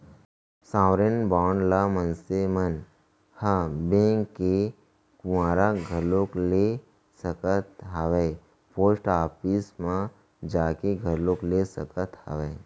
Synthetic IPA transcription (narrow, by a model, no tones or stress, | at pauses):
sãːwɾenbaːɳlamənsemən | həbẽːŋkːe | kʊwãːɾaɡʱəlokle | səkət̪ɦəʋeː | poːsʈaːpismã | d͡ʒaːkeɡʱəɾloːklesəkət̪hə̰ʋeː